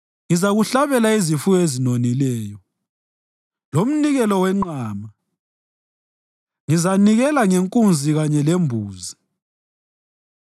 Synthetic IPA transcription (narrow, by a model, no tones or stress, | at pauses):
ŋizaɣuɬaβɛlaizifuezinonilɛːjɔ | lom̩niɣɛlɔwɛŋ͡ǃaːma | ŋizaniɣɛlaŋeŋkʼund͡zʱiɣaɲɛlembʱuːzi